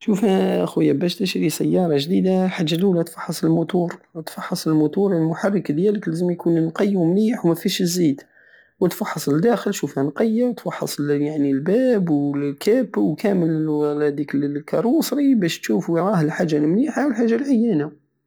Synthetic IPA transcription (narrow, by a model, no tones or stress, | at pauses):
ʃufhæxwəjæbæʃt̪əʃɾisæjːɑɾˤɑʒd̪id̪aħaʒːælulæt̪fɑ̥ħːɑsˤəlmʊt̪uɾˤt̪fɑħːɑsˤəlmʊt̪uɾlmʊħarˤːəkd̪jæləklæzəmjkunnqɑjːwmniħwmæfiʃəzːid̪ | wət̪fɑħːɑsˤəld̪æxəlʃufhænqɑjːawt̪fɑħːɑsˤjaʕnilbæbwkæbwkʰæməllæd̪iklkɑɾˤusˤɾibæʃt̪ʃufɾˤɑhlħaʒːanmniħawəlħaʒːalʕajːæna